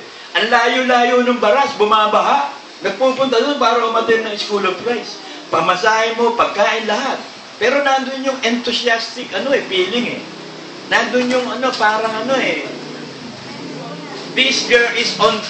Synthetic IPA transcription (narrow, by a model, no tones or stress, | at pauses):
ʔɐnlaːjolaːjonʊŋbɐɾasbʊmaːbɐɦaʔ | nɐɡ̚puːpʊnt̪ɐd̪onpaːɾoɐmɐd̪ɛlnɐŋɪskuːlovpɾajs | pɐmɐsaːhɪmo̞pɐɡ̚kaːʔɪnlɐɦat̪̚ | pɛːɾo̞nand̪onɲʊŋɛnt̪ʊsɪast̪ɪk̚ʔɐno̞ʔɛpiːlɪŋɛ̰ | nand̪onjoŋɐno̞paːɾɐŋɐno̞ʔɛ | d̪ɪsɡɛɹɪson